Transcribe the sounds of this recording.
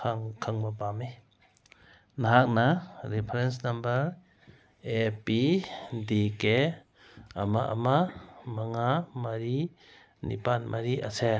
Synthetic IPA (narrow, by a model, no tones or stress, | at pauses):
aŋkʰaŋbapame | naɦak̚naɾipʰɾensnɐmbɐɾ | epidike | amaʔa̰mamaŋamaɾi | nḭpanmʔaɾiʔa̰se